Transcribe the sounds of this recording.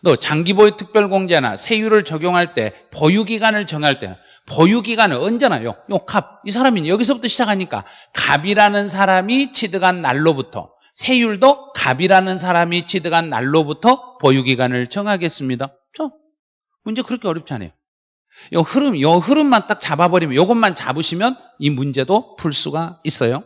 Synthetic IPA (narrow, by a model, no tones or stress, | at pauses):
tot͡ɕaŋɡiboetʰɯk̚p͈jʌɭɡoŋd͡ʑena̰sʰe̞juɾɯɭt͡ɕʌɡjoŋɦaɭt͈e̞̰ | pojuɡiɡanɯɭt͡ɕʌŋɦaɭt͈e̞̰ | pojuɡiɡanɯʌnd͡ʑena̰jo̰jokab̚is̬ʰaɾamiɲjʌɡis̬ʰʌbutʰʌɕʰid͡ʑakʰaɲik͈a̰ | kabiɾanɯnsʰaɾamit͡ɕʰidɯɡanːa̰ɭːobutʰʌ̰ | sʰe̞juɭdoka̰biɾanɯns̬ʰaɾamit͡ɕʰidɯɡanːa̰ɭːobutʰʌpojuɡiɡanɯɭt͡ɕʰʌŋɦaɡe̞s͈ɯmɲida | t͡ɕʌ | mund͡ʑe̞kɯɾʌkʰeʌɾjʌp̚t͡ɕʰanḛjo | jʌhɯɾɯmjʌhɯɾɯmːant͈ak̚t͡ɕababʌɾimjʌjoɡʌnːant͡ɕa̰bɯɕʰimjʌn | imund͡ʑe̞dopʰuɭs͈uɡais͈ʌjo